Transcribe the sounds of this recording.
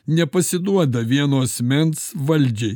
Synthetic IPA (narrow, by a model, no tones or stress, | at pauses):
nʲɛpɐsʲɪd̪uɔd̪ɐʋʲiɛnoːɐsʲmʲɛnsʋɐlʲˑd͡ʒʲɛɪ